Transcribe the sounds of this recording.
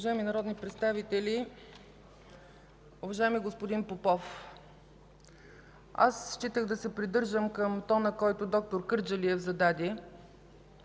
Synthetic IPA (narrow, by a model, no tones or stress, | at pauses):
ʊvɐʒajɛminɐɾɔd̪nipɾɛt̪st̪avit̪ɛli | ʊvɐʒaɛmiɡospod̪inpopɔf | a̰sʃt͡ʃit̪əɣd̪ɐsɛpɾid̪ɤɾʒəmkəmt̪ɔnəkɔjt̪od̪ɔk̚t̪oɾkɤɾd͡ʒəliɛvzɐd̪ad̪ʲiɛ